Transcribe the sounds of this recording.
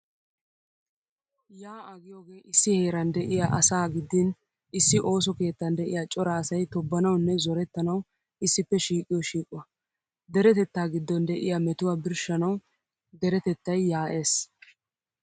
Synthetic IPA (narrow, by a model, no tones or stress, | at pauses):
jaːʔɐɡɪjoːɡe̞ːʔɪsːɪheːɾɐnd̪ɛʔɪjaʔɐsaːɡɪd̪ːɪn | ɪsːɪʔo̞ːs̬ɔke̞ːt̪ːɐnd̪ɛʔɪ̰jaːt͡ʃʼɔɾaːsɐjt̪ɔbːɐnɐwnːɛzɔɾɛt̪ːɐnɐw | ɪsːɪpːɛʃiːkʼːɪjɔʃiːkʼʊwɐ | d̪ɛɾɛt̪ɛt̪ːaːɡɪd̪ːɔnd̪ɛʔɪ̰jamɛt̪ʊwaːbɪɾʃɐnɐw | d̪ɛɾɛt̪ɛt̪ːɐjːaːʔe̞ːs